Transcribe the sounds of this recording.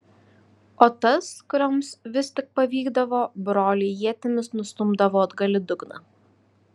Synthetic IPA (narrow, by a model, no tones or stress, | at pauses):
oːt̪ɐskʊɾʲoːmsʋʲɪsʲt̪ʲɪk̚pɐʋʲiːɡd̪ɐʋoːbɾoːlʲejiɛt̪ʲɪmʲɪsnʊst̪ʊmbd̪ɐʋoːd̪ɡɐlʲɪd̪ʊɡnɐ̰